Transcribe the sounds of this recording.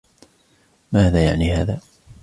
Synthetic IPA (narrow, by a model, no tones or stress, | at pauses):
maːðaːja̰ʕniːhaːðaː